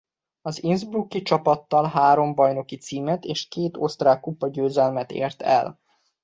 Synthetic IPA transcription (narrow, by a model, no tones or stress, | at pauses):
ɒzinzbrukːit͡ʃɒpɒt̪ːɒlɦaːɾo̞mbɒjno̞kit̪siːmɛt̪eːʃkeːt̪o̞st̪raːkːupːɒɟøːzɛlmɛt̪ḛːrt̪ɛ̰l